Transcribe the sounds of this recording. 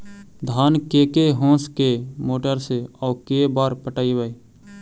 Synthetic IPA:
d̪ʱaːnkekeɦõːskemoːʈəɾseɔːkebaːɾpəʈaːibəi

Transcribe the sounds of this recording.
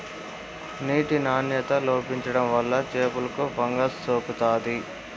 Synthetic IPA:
niːʈinaːnjɐt̪ɐloːpiɲt͡ʃɐɽɐmʋɐlːɐt͡ʃeːpulɐkubɐŋɡɐsːoːkut̪aːd̪i

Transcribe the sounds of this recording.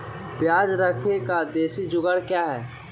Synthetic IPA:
pjaːd͡ʒɾəkʰekad̪eːsid͡ʒʊɡəɽkjaːɦɛː

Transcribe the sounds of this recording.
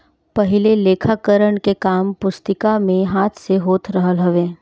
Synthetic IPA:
pəɦɪleleːkʰakəɾəɳkekaːmpʊst̪ɪkamẽɦaːt̪ʰseɦoːt̪ɾəɦəlɦɐʋẽː

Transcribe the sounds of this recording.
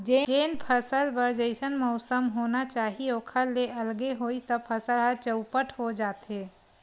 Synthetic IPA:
d͡ʒeeːnpʰəsəlbəɾd͡ʒəɪsənmɔʊsəmɦoːnat͡ʃaːɦioːkʰəlːeʔɐlɡeɦoːisəpʰəsəlɦət͡ʃəʊpəʈʰhod͡ʒaːt̪eː

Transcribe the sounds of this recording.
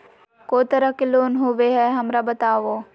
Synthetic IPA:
koːt̪ɐɾəkeloːnɦʊʋeɦɛɦɐmɾabɐt̪aːʋoː

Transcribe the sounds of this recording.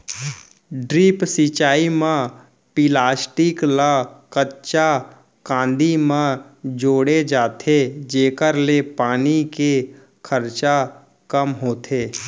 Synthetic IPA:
ɖɾiːpsit͡ʃaːimã | pilaːsʈɪklakətt͡ʃa | kãːnd̪imãd͡ʒoːɽed͡ʒaːt̪ʰed͡ʒeːkəɾlepaːnike | kʰəɾt͡ʃa | kəmɦoːt̪ʰeː

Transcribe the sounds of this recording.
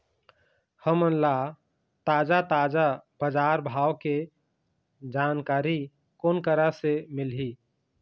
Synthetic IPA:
həmənla | t̪aːd͡ʒat̪aːd͡ʒabəd͡ʒaːɾbʱaːwke | d͡ʒaːnkaːɾi | koːnkəɾasemɪlɦi

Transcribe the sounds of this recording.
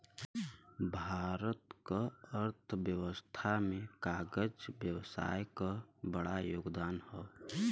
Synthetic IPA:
bʱaːɾət̪kaəɾt̪ʰbjəwəst̪ʰamẽkaːɡəd͡ʒbjəwsa̰ːjkabəɽajoːɡd̪aːnhɛː

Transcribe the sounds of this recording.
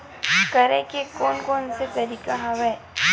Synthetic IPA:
kɐɾẽkekɔːnkɔːnset̪ɐɾiːkaɦãʋɛː

